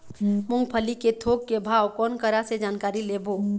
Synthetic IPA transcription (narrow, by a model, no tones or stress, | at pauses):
mʊ̃ŋɡpʰəliket̪ʰoːɡ̚kebʱaːwkɔːnkəɾased͡ʒaːnkaːɾileːbo